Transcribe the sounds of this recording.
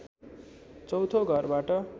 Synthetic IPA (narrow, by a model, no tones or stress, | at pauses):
t͡sʌwt̪ʰoɡʱʌrbaʈʌ